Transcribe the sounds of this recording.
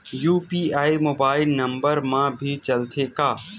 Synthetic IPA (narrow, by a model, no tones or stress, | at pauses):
juːpiːaːimoːbaːɪlnɐ̃mbəɾmãbʱit͡ʃɐlt̪ʰekaː